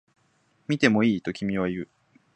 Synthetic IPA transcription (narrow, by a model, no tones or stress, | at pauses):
mʲit̪e̞mo̞iːt̪o̞kʲimʲiβaiɯ̟